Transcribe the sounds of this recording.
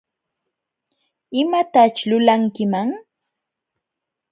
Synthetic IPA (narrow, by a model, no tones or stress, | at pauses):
ɪmat̪at͡ʃlʊlaŋkɪmaŋ